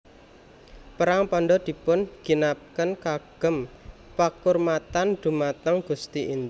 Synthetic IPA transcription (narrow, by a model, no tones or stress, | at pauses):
pəɾaŋpɔnɖɔd̪̥i̤pʊnɡ̥i̤nap̚kənkaɡ̥ə̤m | pakʊrmat̪and̪̥ṳmat̪əŋɡ̥ṳst̪iʔind̪